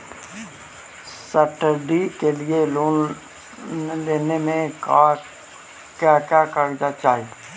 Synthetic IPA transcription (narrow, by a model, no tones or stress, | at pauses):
səʈəɾɖikelɪeloːn | leːnemẽka | kakjaːkəɾd͡ʒat͡ʃaːɦi